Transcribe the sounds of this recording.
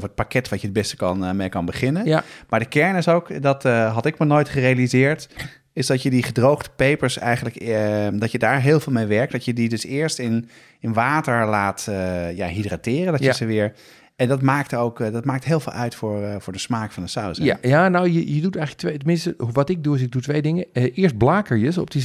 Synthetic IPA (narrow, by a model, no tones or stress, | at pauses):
fət̚pakɛtʋɑtjəd̚bɛstə̥kɑnmejkɑnbəχɪnənmaːɹdəkɛɹnɪsowkdɑtɦɑtɪkmaɹnoːjtχərejalizɪːɹt | ɪzdɑtjədiχədrowχtə̥pejpəɹsɛjχənləkdɑtjədaːɹɦɪːlˠvɪːlˠmejʋɛɹk̚t̚dɑtjədidɵsɪːɹstɪn | ɪnʋaːtəɹlaːtja̰ɦidratɪːrəndɑjəzəʋɪːɹ | ɛndɑtmaːk̚towkdɑtmaːk̚tɦeːlˠvɪ̰ːlˠʔœɥtfʊːɹvʊːɹdəsmaːkfɑndəsawsjanawjəjədutɛjxləktʋejtəmɪ̃nstəʋɑtɪɡ̚duɪs̬ɪɡ̚dutʋejdɪŋəʔɪːɹst̚blaːkəɹjəsɔ̰p̚di